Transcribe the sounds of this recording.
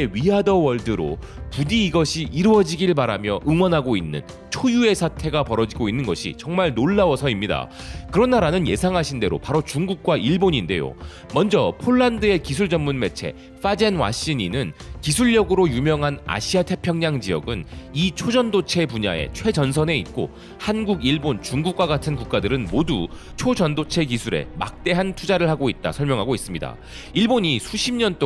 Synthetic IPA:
eɥiadʌwʌɭdɯɾo̰ | pudiːɡʌɕʰiʔiɾuʌd͡ʑiɡiɭbaɾamjʌʔɯŋwʌnɦaɡoinːɯ̰n | t͡ɕʰojue̞sʰatʰe̞ɡapʌɾʌd͡ʑiɡoinːɯnɡʌɕʰḭt͡ɕʌŋmaɭnoɭːawʌsʰʌimɲida̰kɯɾʌnːaɾanɯnje̞sʰaŋɦaɕʰinde̞ɾo̰paɾot͡ɕuŋɡuk̚k͈waʔiɭboɲinde̞jo̰ | mʌnd͡ʑʌpʰoɭːandɯe̞kis̬ʰuɭd͡ʑʌnmunme̞t͡ɕʰe̞̰ | f͈ad͡ʑe̞nwa̰ɕ͈iɲinɯnkis̬ʰuɭːʌɡɯɾojumjʌŋɦana̰ɕʰiatʰe̞pʰjʌŋɲaŋd͡ʑiʌ̰ɡɯnit͡ɕʰod͡ʑʌndot͡ɕʰe̞puɲa̰e̞̰t͡ɕʰwe̞d͡ʑʌns̬ʰʌne̞it̚k͈o̰ | hanɡuɡiɭbont͡ɕuŋɡuk̚k͈waɡatʰɯnkuk̚k͈adɯɾɯnmodu | t͡ɕʰod͡ʑʌndot͡ɕʰe̞kisʰuɾe̞̰ma̰k̚t͈e̞ɦantʰud͡ʑaɾɯɭhaɡoit̚t͈a̰sʰʌɭmjʌŋɦaɡois͈ɯmɲida̰ | iɭboɲisʰuɕʰimɲʌnt͈o

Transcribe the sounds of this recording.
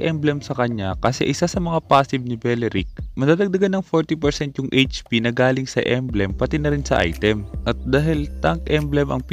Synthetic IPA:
ʔɛmblɛmsɐkɐɲakɐsɛ̰ʔɪsasɐmɐŋapaːsɪb̚nɪbɛlɛɾik̚mɐd̪aːd̪ɐɡ̚d̪ɐɡanːɐŋfoɹt̪ipɛɾsɛnt̪jʊŋʔejt͡ʃpinɐɡaːlɪŋsɐʔɛmblɛmpɐt̪ɛnɐɾɪnsɐʔa̰jt̪ɛmʔɐt̪̚d̪aːɦɪlt̪aŋkʔɛmblɛmʔɐ̰ŋp

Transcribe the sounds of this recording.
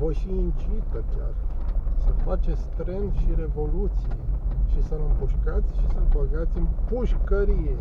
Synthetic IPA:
vəʃiːnt͡ʃit̪əkʲarsəfat͡ʃest̪ɾenʃiɾe̞vo̞lut̪sijjʃisəlɨmpuʃkat̪sʲʃisəbəɡat̪sʲɨmpuʃkəɾije

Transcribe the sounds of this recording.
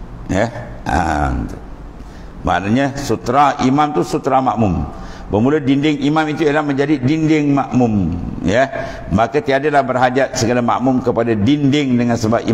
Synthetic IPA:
jəa̰t̪ | ma̰ʔnaɲasut̪ɾaimamt̪usut̪ɾamaʔmʊm | bəmulədindɪŋimamit̪ujalahməɲd͡ʒadidindɪŋmaʔmʊmjə | makat̪iadalahbərɦadiat̪̚səɡalama̰ʔmʊmkəpadadindɪŋdəŋansəbap̚ḭ

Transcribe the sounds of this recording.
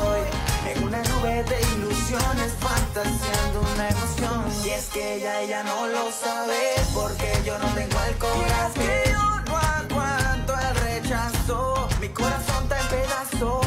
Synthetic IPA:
eŋunanuβe̞ðe̞ilusjo̞ne̞sfant̪asjand̪ounaemosjo̞nie̞skeʝae̞ʝano̞lo̞saβepo̞ɾkeʝo̞no̞t̪e̞ŋɡoelkoβɾaseokwak̪want̪oelre̞t͡ʃasomiko̞ɾaso̞nt̪ampe̞ðaso̞

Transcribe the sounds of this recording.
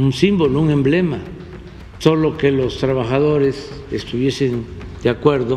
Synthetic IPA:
unsimbo̞louŋe̞mble̞ma | so̞lo̞ke̞lo̞st̪ɾaβaxaðo̞ɾe̞s | est̪uβje̞se̞nd̪̥eakwe̞ɾðo

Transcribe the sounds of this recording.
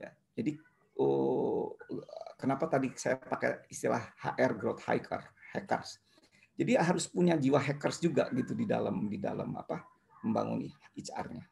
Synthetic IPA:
ja̰ | d͡ʒadi | ə | kənapat̪adisajapaka̰ist̪ilahha̰ʔɛrɡɾot̪ha̰jkʰə̰rhɛkə̰rs | d͡ʒadiɦaɾʊspuɲad͡ʒiwaɦɛkərsd͡ʒuɡa̰ɡit̪udida̰lamdida̰la̰ma̰pa | məmba̰ŋṵnḭit͡ʃa̰rɲa

